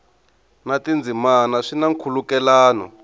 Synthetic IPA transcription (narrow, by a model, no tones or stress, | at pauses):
natind͡zʱimanaʂinaŋkʰulukɛlaːnɔ̰